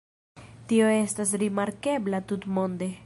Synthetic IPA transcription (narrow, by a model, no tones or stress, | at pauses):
tio̞e̞stas̬ɾimaɾke̞blatutmo̞nde̞